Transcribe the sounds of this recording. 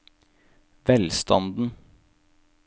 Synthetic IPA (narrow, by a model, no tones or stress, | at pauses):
ʋɛlst̪ɑ̰nd̪n̩